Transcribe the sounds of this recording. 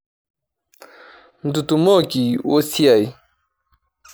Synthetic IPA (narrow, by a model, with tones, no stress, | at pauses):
n̩˨du˨tu˨mɔ˦˨ki˨wo˦si˦a˨j